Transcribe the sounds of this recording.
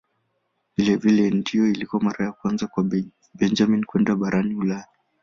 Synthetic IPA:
vilɛvilɛndiɔilikɔmaɾajakwanzakwa | bɛnd͡ʒaminkwɛndaɓaɾʔaniulaja

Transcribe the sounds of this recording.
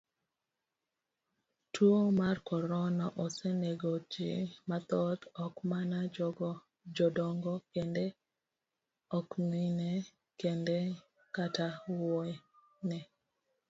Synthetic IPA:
tʰwomarkɔɾɔnaʔɔseneɡɔd͡ʒɪ̰mat̪ɔt̪ɔkmana | d͡ʒɔdɔŋɡɔkendɛ | ɔknine | kende | katawɔɛ | nɛ

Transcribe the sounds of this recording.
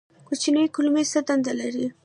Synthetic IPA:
kut͡ʃinajkʊlmesad̪and̪alaɾi

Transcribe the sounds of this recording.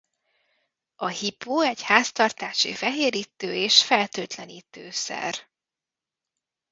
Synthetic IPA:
ɒhipoːɛɟhaːst̪ɒrt̪aːʃḭfɛɦeːɾiːt̪ːøːeːʃfɛlt̪øːt̪lɛniːt̪øːsɛ̰r

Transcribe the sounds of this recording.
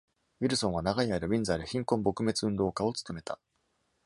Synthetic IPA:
wiɾɯ̟sõ̞ɰ̃β̞anaɡaiaɾɯbʲĩnd͡zaːɾɯ̟çĩŋkõ̞mbo̞kɯ̟me̞t͡sɨɯ̟̃nd̪o̞ːkao̞t͡sɨ̥t̪o̞me̞t̪a

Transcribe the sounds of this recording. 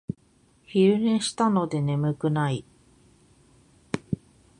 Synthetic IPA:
çiɾɯ̟ɾẽɕi̥t̪ano̞d̪e̞ne̞mɯ̟kɯ̟nai

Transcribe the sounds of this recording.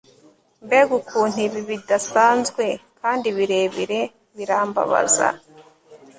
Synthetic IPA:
mbeɡukʰuːn̥iβiβidasaːnzɡwe̞kʰaːndiβiɾe̞ːβiɾe̞ | βiɾaːmba̰βa̰za̰

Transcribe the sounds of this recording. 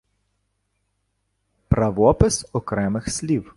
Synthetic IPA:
pɾɐʋɔpɪsɔkɾɛmɪxsʲlʲiw

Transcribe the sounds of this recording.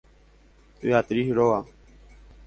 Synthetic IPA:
t̪ṵjaːt̪ɾiːɦɾoːaː

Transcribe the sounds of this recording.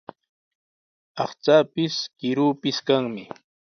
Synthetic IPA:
ɑχt͡saːpɪskɪɾuːpɪskaŋmɪ

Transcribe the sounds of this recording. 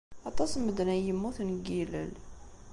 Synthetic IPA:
ɑt̪ˤɑsməd̪næjəmːuθnɡilə̰l

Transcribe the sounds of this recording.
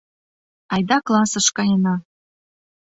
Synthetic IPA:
ɑjd̪ɑklˠɑsɤ̆ʃkɑjɤnɑ

